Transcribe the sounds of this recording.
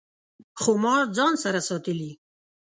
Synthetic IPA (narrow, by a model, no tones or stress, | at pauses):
xomɑɾd͡zɑnsaɾasɑt̪əli